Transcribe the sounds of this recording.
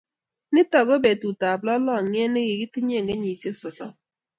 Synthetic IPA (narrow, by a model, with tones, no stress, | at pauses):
nɪ˦tɔ˨ɡo˦be˨tu˨ta˨blɔ˦lɔ˦˨ŋjɛ˦nɪ˦ɡɪ˨ɡɪ˦tɪ˦ɲ˦e˦˨ŋɡe˦ɲi˨t͡ʃe˦ksɔ˨sɔ̰˦